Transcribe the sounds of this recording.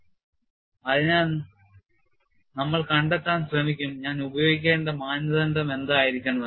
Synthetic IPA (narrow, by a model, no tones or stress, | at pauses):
ɐðinaː | nɐmːɐɭkɐɳɖet̪ːaːnɕrɐmikʲːumɲaːnubɐjo̞ːɡik̬ʲːeːɳɖɐmaːnɐðɐnɖme̞nd̪aːjiɾikʲːɐɳɐɐ